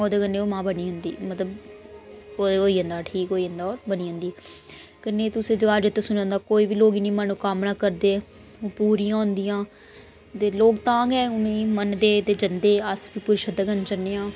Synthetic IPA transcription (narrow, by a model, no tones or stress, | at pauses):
oːd̪eːkənːeːoːmãːbəniːɦʊnd̪ḭːmət̪ləb | oːoːiːɦənd̪aːʈʰiːkoːiːɦə̃nd̪aːɔːɾbəniːɦʊnd̪iːɛkəneːt̪ʊsẽːd͡ʒoad͡ʒɪt̪ːeːsʊnãːnd̪aːkoːiːʋiːloːɡiːnĩːmənuːkamnaːkəɾd̪eː | oːpuːɾiːãːɦʊ̃nd̪ijãː | t̪eːloːkt̪ãːɡɛːʊnẽːmənd̪eːd̪eːd͡ʒənd̪eːəsʋiːpʊɾɪʃəd̪əkənt͡ʃənːeːãː